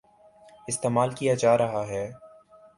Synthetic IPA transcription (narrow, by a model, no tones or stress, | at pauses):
ɪst̪eːmaːlkijad͡ʒaːɾɐɦaɦɛː